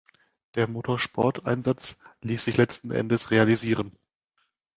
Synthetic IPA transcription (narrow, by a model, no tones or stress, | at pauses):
d̥eːɐmoːtʰoːɐʃpʰɔ̰ɐta̰ɪnzat͡sliːsz̥ɪçlɛt͡stn̩ʔɛ̰ndəsʁealiziːʁ̞ən